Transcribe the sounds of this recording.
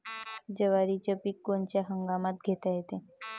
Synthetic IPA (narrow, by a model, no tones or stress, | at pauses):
d͡ʑəʋaɾit͡ɕəpiːkːont͡ɕjaɦəŋɡamat̪̚ɡʱet̪aɦet̪e